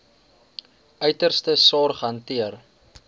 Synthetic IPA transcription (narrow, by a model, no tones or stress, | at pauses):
œɥtərstəsɑːrχɦɐntiər